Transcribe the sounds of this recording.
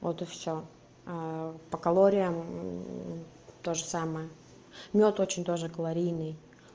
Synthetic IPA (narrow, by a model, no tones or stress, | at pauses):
vot̪ɨfsʲo | apəkɐlˠoɾʲɪjəm | t̪o̞ʐɨsaməjə | mʲot̪ot͡ɕɪnʲt̪o̞ʐɨkəlˠɐɾʲijnɨj